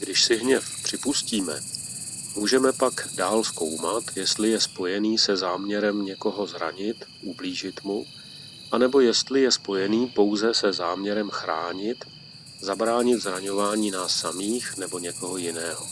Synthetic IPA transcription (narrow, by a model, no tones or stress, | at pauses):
ɡ̥dɪʃsɪɦɲɛfpr̝̥ɪpusciːmɛ̰ | muːʒɛmɛpaɡdaːlsko̞wmat̪jɛst̪lɪjɛspo̞jɛniːsɛzaːmɲɛɾɛmɲɛko̞ɦo̞zɾa̰ɲɪt̪ʔubliːʒɪt̪mu | ʔanɛbo̞jɛst̪lɪjɛspo̞jɛniːpo̞wzɛsɛzaːmɲɛɾɛmxɾa̰ːɲɪt̪ | zabɾaːɲɪt̪zɾaɲo̞vaːɲiːnaːsːamiːxnɛbo̞ɲɛko̞ɦojɪnɛːɦo